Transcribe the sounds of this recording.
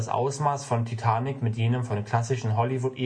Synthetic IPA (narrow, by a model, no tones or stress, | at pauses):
asʔa̰ʊsmaːsfɔntʰitʰaːnɪkmɪtjeːnəmfɔnkʰl̥asɪʃn̩ɦɔlivʊtʔeː